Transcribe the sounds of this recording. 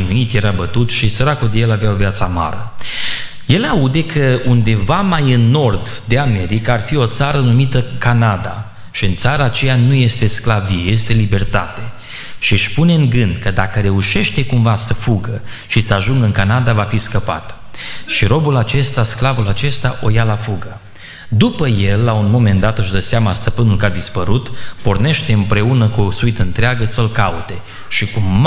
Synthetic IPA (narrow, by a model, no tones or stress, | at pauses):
nuit̪je̞ɾabət̪ut̪ʃisəɾakuld̪ejelavjaovjat̪sama̰ɾə | je̞laud̪e̞kʰəund̪e̞vamajɨnːo̞rd̪ | d̪e̞ame̞ɾikaːrfio̞t̪saɾənumit̪əkanad̪a̰ | ʃiɨnt̪saɾəːt͡ʃe̞januje̞st̪e̞sklavieje̞st̪e̞libe̞rt̪a̰t̪e | ʃiʃpune̞ɨŋɡɨnd̪kəd̪akəɾe̞uʃe̞ʃt̪e̞kumvasəfuɡə | ʃisəaʒuŋɡɨŋkanad̪avafiskəpa̰t̪ʃiɾo̞bulat͡ʃe̞st̪asklavulat͡ʃe̞st̪aʔo̞jalafuɡə | d̪upəje̞lːaunmo̞me̞nd̪at̪ɨʃd̪əseamast̪əpɨnulkad̪ispəɾut̪porne̞ʃt̪e̞ɨmpɾe̞unəkuo̞suit̪əɨnt̪ɾeaɡəsəlkaut̪e̞ | ʃikum